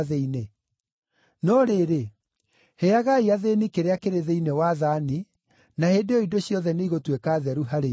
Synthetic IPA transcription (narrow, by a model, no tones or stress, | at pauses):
ðeine | nɔɾeɾe | heaɣaiaðenikeɾeakeɾeðeinewaðani | nahedeɔidoɕjɔðɛneiɣotwekaðɛɾuɦaɾe